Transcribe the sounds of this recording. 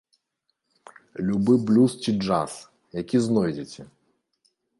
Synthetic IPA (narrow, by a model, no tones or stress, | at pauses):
lʲubɪblʲust͡ɕid͡ʐa̰s | jɐkʲiznɔjdʲet͡sʲɐ